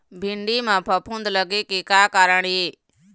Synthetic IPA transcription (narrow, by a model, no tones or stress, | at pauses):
bʱɪɳɖimãːpʰəpʰũnd̪ləɡekikaːkaːɾəɳ̃ɦeː